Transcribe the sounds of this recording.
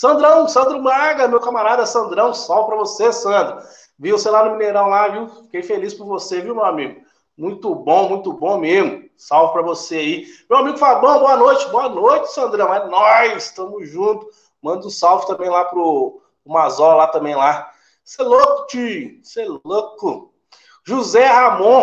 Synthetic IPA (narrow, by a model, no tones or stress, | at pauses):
sɐ̃nd̪ɾɐ̃w̃sɐ̃nd̪ɾʊmaɡɐmewkɐmaɾad̪ɛsɐ̃nd̪ɾɐ̃w̃sawvɪpɾɐvosesɐ̃d̪ɾʊ | vĩũsẽlanʊmĩneɾɐ̃w̃laviwfi̥kejfelispʊɾvoseviwmewamiɡʊ | mũj̃t̪ʊbõmũj̃t̪ʊbõmezmʊ | sawvɪpɾɐvoseaimewamiɡʊfalbõbõɐnojt͡ʃɪbõɐnojt͡ʃɪ̥sɐ̃nd̪ɾɐ̃w̃anɔzɪst̪ɐ̃mʊzʒũt̪ʊ̥ | mɐ̃nd̪ʊ̃sawvɪt̪ɐ̃bẽj̃lapɾʊ | ʊmazɔlat̪ɐ̃mẽj̃la | selokʊ̥t͡ʃiʊselokʊ | ʒuzɛɦamõ